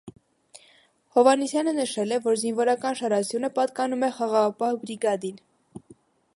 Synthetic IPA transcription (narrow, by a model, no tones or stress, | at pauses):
hɔvɑnisjɑnənəʃɛlɛvɔɾzinvɔɾɑkɑnʃɑɾɑsjunəpɑt̪kɑnumɛχɑʁɑʁɑpɑhbɾiɡɑd̪in